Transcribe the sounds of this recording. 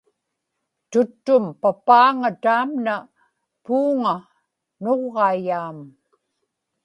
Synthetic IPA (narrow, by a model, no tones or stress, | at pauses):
t̪ʊt̪ːʊmpapaːŋat̪aːmna | puːŋa | noʁːɑijaːm